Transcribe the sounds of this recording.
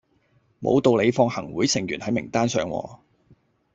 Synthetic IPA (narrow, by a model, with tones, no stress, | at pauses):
mo̰˨˧wt̪o˧wle˨˧jfɔː˧ŋhɐ˨˩ŋwuː˨˥jsɪ˨˩ŋjyː˨˩nhɐ˨˥jmɪ˨˩ŋt̪aː˥nsœː˨˧ŋwɔ̰ː˧